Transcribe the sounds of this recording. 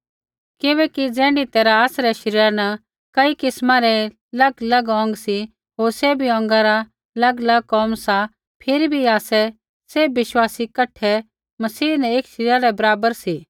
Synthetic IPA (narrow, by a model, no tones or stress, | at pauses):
kɪʋɛkid͡zɛ̃ːɳɖit̪ɛːɾaːsɾɛʃɐɾiːɾanɐ | kɐikɪsmãɾɛ | lɐɡlɐɡɔ̃ːŋɡsi | ɦoːɾsebʱiɔ̃ːŋɡaɾa | lɐɡlɐɡ̚kɔːmsa | pʰɪɾibʱiaːsɛ | sebɪʃwaːsikɐʈʰːɛ | mɐsiːnɛeːkʃɐɾiːɾaɾɛbɐɾaːbəɾsi